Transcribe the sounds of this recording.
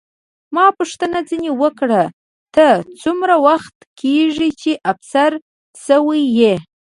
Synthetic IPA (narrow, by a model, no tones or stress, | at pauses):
mɑpəʂt̪ənad͡zinewəkɽa | t̪ət͡sumɾawaxt̪kʰeʐit͡ʃeʔafsaɾ | səwije